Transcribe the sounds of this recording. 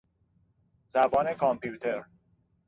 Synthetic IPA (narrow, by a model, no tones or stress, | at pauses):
zæbɒːne̞kʰɒmpjuːt̪ʰeɾ